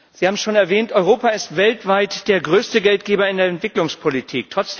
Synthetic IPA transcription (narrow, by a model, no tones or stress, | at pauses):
z̥ihaːbm̩ʃoːnɛɐvɛːntɔʏʁoːpaɪstv̥ɛltv̥aɪtd̥eːɐɡʁøːstəɡɛlt̚ɡ̥eːbɐɪndeːɐɛntv̥ɪklʊŋspʰolitʰiːktʁ̥ɔt͡s